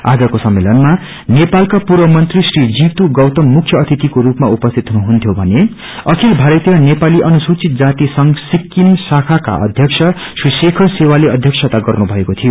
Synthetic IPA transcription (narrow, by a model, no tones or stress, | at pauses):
a̰d͡zʌkosʌmːelʌnma | nepalkapurbʌmʌnt̪risrid͡ziwt̪uɡʌwt̪ʌmːukʰjʌːt̪ʰit̪ikoɾupmaupʌst̪ʰit̪ɦunuɦunt̪ʰjobʱʌne | ʌkʰilbʱaɾʌt̪jʌnepaliʔʌnusut͡sit̪̚d͡zat̪isʌŋsikːimsakʰaka̰ʔʌ̰d̪ʱjʌksʰʌ | susekʰʌsewaleʌd̪ʱjʌksʰʌt̪aɡʌrnubʱʌekot̪ʰijo